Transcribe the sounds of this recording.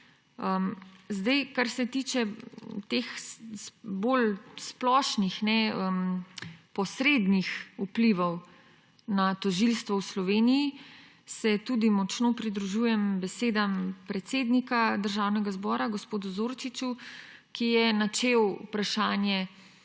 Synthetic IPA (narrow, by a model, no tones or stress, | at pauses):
əmzd̪ajkaɾsɛt̪iːt͡ʃɛt̪ex | bolsplɔːʃnixnɛəm | pɔsɾeːd̪nixupliʋɔw | nat̪ɔʒilst̪ʋɔwslɔʋeːniji | sɛt̪uːd̪imɔt͡ʃnopɾid̪ɾuʒuːjɛmbɛseːd̪ampɾɛt̪seːd̪nikad̪əɾʒaːwnɛɡazbɔːɾaɡospoːd̪uzoːɾt͡ʃit͡ʃukijɛnat͡ʃewpɾaʃaːnjɛ